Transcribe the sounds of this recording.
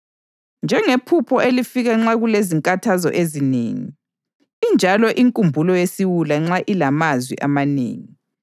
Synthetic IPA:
nd͡ʒʱɛŋepʰupʰɔʔelifiɣaŋ͡ǁaɣuleziŋkʼatʰazɔ̰ʔezinḛːŋḭ | ind͡ʒʱalɔʔiŋkʼumbʱulɔjesiwulaŋ͡ǁaʔilamazwḭʔamanḛːŋi

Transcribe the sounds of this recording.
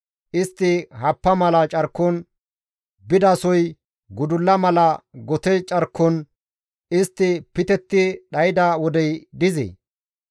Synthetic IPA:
ʔɪst̪ːɪhɐpːɐmɐlɐt͡ʃʼɐɾkːɔn | bɪd̪ɐsɔj | ɡʊd̪ʊlːɐmɐlɐɡɔt̪ɛt͡ʃʼɐɾkːɔn | ɪst̪ːɪpɪt̪ɛt̪ːɪɗɐjɪd̪ɐwɔd̪ɛjd̪ɪzḛ

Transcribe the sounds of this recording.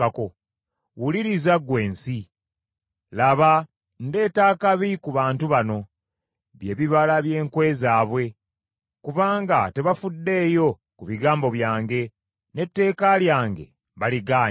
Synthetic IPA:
ako | wuliɾizaɡwe̞ːnsi | laβa | nde̞ːtaːkaβikuβaːntuβano̞ | βje̞ːβiβalaβje̞ːŋkwe̞ːzaːβwe̞ | kuβaːŋɡate̞βafudːe̞ːjo̞ | kuβiɡaːmbo̞βjaːŋɡe̞ | ne̞tːe̞ːkaljaːŋɡe̞̰ | βaliɡaː

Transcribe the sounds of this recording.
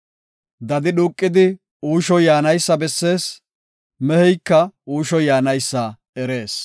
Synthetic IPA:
d̪ɐd̪ɪɗuːkʼːɪd̪ɪ | uːʃɔjaːnɐjsːɐbɛsːe̞ːs | mɛhɛjkːɐuːʃɔjaːnɐjsːɐ | ɛɾe̞ːs

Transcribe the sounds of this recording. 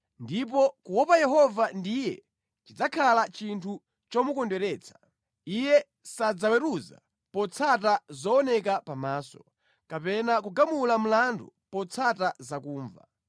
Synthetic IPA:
ndip̬ɔkuwɔpajɛɦɔvandijɛ̰ | t͡ʃid͡zakʰalat͡ʃintʰu | t͡ʃɔmukɔndɛɾɛːt͡sʰḁ | ijɛ | sad͡zawɛɾuza̰ | pɔt͡sʰatazɔɔnɛkapamaːsɔ̥ | kapɛnak̬uɡamulam̩landupɔt͡sʰatazakuːɱva̰

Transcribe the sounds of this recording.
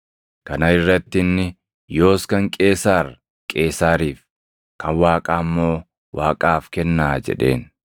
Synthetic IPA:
kɐnɐɪrːɐt̪ːɪnːɪ | jo̞ːskɐŋkʼe̞ːsaːɾ | kʼe̞ːsaːɾiːf | kɐnwaːkʼaːmːo̞ː | waːkʼaːfkɛnːaːd͡ʒɛ̰ᶑe̞̰ːn

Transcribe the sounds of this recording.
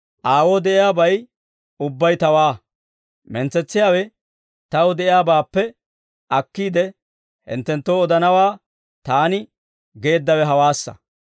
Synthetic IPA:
ʔaːwoːd̪ɛʔɪjaːbɐj | ʊbːɐjt̪ɐwaː | mɛnt͡sːɛt͡sːɪjaːwɛ | t̪ɐwd̪ɛʔɪjaːbaːpːɛ | ʔɐkːiːd̪ɛ | hɪ̰nt̪ːɛnt̪ːoːɔd̪ɐnɐwaː | t̪aːnɪ | ɡe̞ːd̪ːɐwɛɦɐwaːsːɐ̰

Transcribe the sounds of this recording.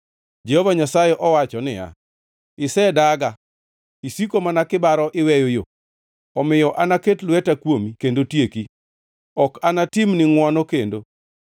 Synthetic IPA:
d͡ʒɛhovaɲasajɛʔɔwat͡ʃɔnɪja̰ | ɪsɛdaɡa | isikomanakɪbaɾɔʔɪwɛjojo | ɔmɪjɔʔanaketlwɛtakwomikendotjeki | ɔkanatɪmnɪŋwɔnokendo

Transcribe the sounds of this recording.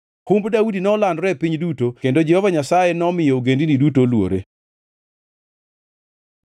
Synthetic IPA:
humbdaudinɔlandɾɛpiɲdutokendod͡ʒɛhɔvaɲasajenɔmɪjouɡendinidutolwo̰ɾe

